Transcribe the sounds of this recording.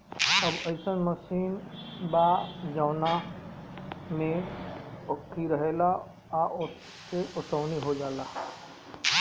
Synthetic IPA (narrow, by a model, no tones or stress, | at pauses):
əbɐɪsənməsiːnbaːd͡ʒaʊna | mẽ | ʊkʰːiɾəɦela | aʔʊ | seʔʊsəwniɦod͡ʒaːlaː